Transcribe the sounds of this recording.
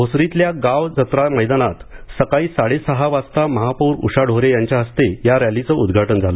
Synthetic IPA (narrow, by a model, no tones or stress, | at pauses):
ɦosɾit̪ljaɡaʋd͡zət̪ɾaməjd̪anat̪səkaiːsaɽesəɦaʋast̪aməɦapuːɾṵɕaɽʱoɾejaɲt͡ɕjaɦəst̪ejaɾjalit͡səud̪ɡʱaʈənd͡zʱalo